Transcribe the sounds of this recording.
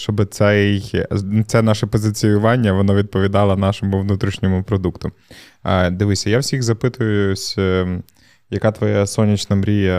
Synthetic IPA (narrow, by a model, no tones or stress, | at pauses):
t͡ʃɔbɪt̪sɛjt̪sɛnɑʃɛpɔzɪt͡sʲijʊʋɑnʲːɐʋɔnɔʋʲid̪̚pɔʋʲid̪ɑlˠɐnɑʃɔmʊʋnut̪ɾʲiʃnʲɔmʊpɾɔd̪ukt̪ʊ | d̪ɪʋɪsʲɐjawsʲiɣzɐpɪt̪ʊjʊʊsʲ | jɐkɑt̪ʋɔjɛsɔnʲit͡ʃnɐmɾʲijɐ